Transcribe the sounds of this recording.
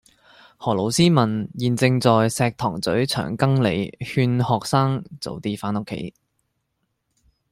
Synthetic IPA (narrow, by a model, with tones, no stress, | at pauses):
hɔː˨˩lo˨˩wsiː˥mɐ˨˩njiː˨nt͡sɪ˧ŋt͡sɔː˨jsɛː˧k̚t̪ʰɔː˨˩ŋt͡sɵ˨˥ɥt͡ʃʰœ̰ː˨˩ŋkɐ˥ŋlḛ˨˧jhyː˧nhɔː˨k̚saː˥ŋt͡so̰˨˧wt̪iː˥faː˨˥nʊ˥kʰːḛ˨˥j